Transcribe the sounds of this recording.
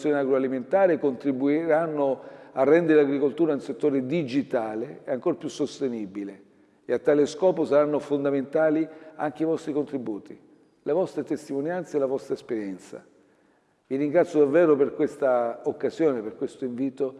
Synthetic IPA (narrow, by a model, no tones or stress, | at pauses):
sjoneaɡɾoaliment̪aːɾekont̪ɾibuiɾanːoarːɛnd̪eɾɪaɡɾikolt̪uːɾanulset̪ːoːɾed̪id͡ʒit̪aːleeaŋkoːɾapjusːost̪enibile | eat̪ːaːleskɔːposaɾanːofond̪ament̪aːlia̰ŋk̟eivɔst̪ɾikont̪ɾibuːt̪ʰi | levɔst̪ɾet̪est̪imonjant̪seːlavɔst̪ɾaespeɾjɛnt̪sa̰ | viɾiŋɡɾat̪sːjod̪avːɛːɾoperkwest̪aokːazjoːneperkwest̪oiɱviːt̪o